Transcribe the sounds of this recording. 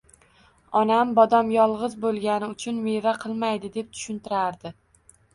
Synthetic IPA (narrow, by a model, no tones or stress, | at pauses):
ɒnambɒd̪amjɒlˠʁɨzbolˠɡʲanɪʊt͡ʃʰʊnmeɾaqʰɨlˠmajd̪ɪd̪e̞p̚t̪ʰʊ̥ʃʊnt̪ɪɾaɾd̪ɪ